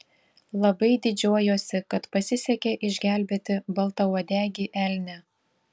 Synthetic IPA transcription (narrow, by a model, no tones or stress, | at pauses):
lˠɐbɐɪd̪ʲɪd͡ʒʲuɔjoːsʲɪkɐt̪pɐsʲɪsʲɛkʲeːʔɪʒʲɡʲæˑlʲbʲeːt̪ʲɪbɐlˠt̪ɐɔd̪ʲæːɡʲiːʔælʲnʲɛ